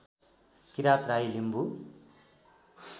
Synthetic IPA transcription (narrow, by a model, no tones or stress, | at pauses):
kiɾat̪ɾajlimbu